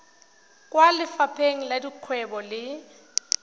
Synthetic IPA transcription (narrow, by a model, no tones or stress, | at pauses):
kʼwalɪfapʰeŋ̩ladiq͡χʰwɛbɔlɪ